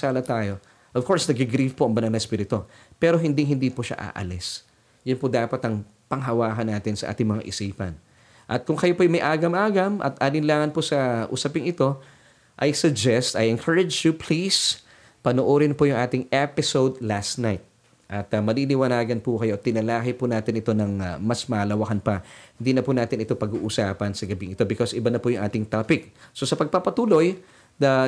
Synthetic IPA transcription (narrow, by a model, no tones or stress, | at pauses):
aːlɐt̪aːjo̞ | ʔov̥ko̞ɹsnɐɡɪɡɾifpoɐŋbɐnanɐspiːɾɪt̪o̞ | pɛːɾoɦɪnd̪ɪŋɦɪnd̪iːpoʃa̰ʔa̰ːʔɐ̰lɛs | jʊnpod̪aːpɐt̪ɐŋ | pɐŋɦɐwaːɦɐnːaːt̪ɪnsɐʔa̰ːt̪ɪŋmɐŋa̰ʔɪsiːpɐ̰n | ʔɐt̪̚kʊŋkɐjopojmɐjʔaːɡɐmʔaːɡɐmʔɐ̰t̪ʔanɪnlaːŋɐnposɐʔʊ̰sɐpɪŋɪt̪o̞ | ʔɐjsʊɡ̚d͡ʒɛst̪ɐjɛnkʰɐɹɐd͡ʒjʊpʰlis | pɐnoʔoːɾɪnpʊjʊŋʔaːt̪ɪŋɛpɪsowd̪last̪najt̪̚ | ʔɐt̪ɐmɐlilɪwɐnaːɡɐnpʊkɐjo̞t̪ɪnɐlaːkɪpʊnaːt̪ɪnɪt̪o̞nɐŋmɐsmɐʔlɐwɐkɐnpɐhhɪnd̪inɐpʊnaːt̪ɪnɪt̪o̞pɐɡṵːʔʊsa̰ːpɐnsɐɡɐbiŋɪt̪o̞bɪkosɪbanɐpʊjʊŋʔaːt̪ɪŋt̪aːpɪk̚so̞sɐpɐɡ̚pɐpɐt̪uːlo̞j | nɐ